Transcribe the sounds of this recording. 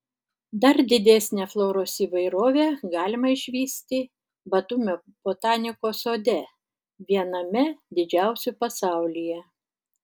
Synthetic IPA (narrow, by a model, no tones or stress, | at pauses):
d̪ɐɾd̪ʲɪd̪ʲæsʲnʲeflˠoːɾoːsiːʋɐɪɾoːʋʲeːɡɑːlʲɪmɐɪʃʲʋʲiːsʲt̪ʲi | bɐt̪uːmʲoː | b̥oːt̪ɑːnʲɪkoːsoːd̪ʲɛ | ʋʲiɛnɐmʲɛd̪ʲɪd͡ʒʲæˑʊsʲʊpɐsɑˑʊlʲijɛ